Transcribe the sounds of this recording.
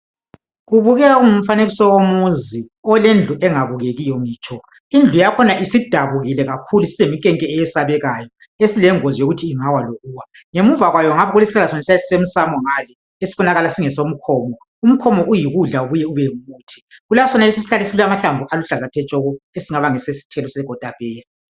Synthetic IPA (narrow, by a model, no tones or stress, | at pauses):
ɣuβuɣɛɣaum̩faneɣisɔwomuziɔlend͡ɮʱuʔɛŋaβuɣeɣijɔŋiːt͡ʃʼʰɔ | ind͡ɮʱujakʰɔnaʔisid̥ʱaβuɣilɛɣakʰulusilemikʼɛŋkʼɛɛjɛsaβɛɣajɔ | esilɛŋozijoɣutʰiːŋawaloɣuːwa | ŋemuvaɣwajɔŋaβʰɔɣulesi̥ɬalasɔnasasi̥sem̩samɔŋalɛ | esi̥βɔnaɣalasiŋɛsom̩kʰɔːmɔ | um̩kʰɔmɔʔujiɣuɮauβujɛuβɛmuːtʰi̥ɣulasɔnalis̬isi̥ɬalesiulamaɬaɱbʱuʔaluɬazatʰɛt͡ʃʼɔɣɔesiŋaβaŋɛsesi̥tʰɛlɔseɡ̥ʱɔd̥ʱapɛːlɛ